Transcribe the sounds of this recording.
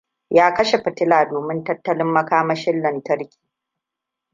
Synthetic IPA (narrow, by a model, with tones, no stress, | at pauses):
jaː˦kɐ˦ʃe˨ɸɐ˨tɪ˦laː˨doː˨mɪ˦ntɐ˦tːɐ˦lɪ˦mːɐ˦kaː˦mɐ˦ʃɪ˦lːɐ˨ntɐ˦ɾkʲi̥ː˨